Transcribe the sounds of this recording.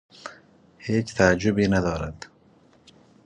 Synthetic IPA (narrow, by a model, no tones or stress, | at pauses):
heːt͡ʃt̪ʰaːd͡ʒːʊbiːnad̪ɒːɾad̪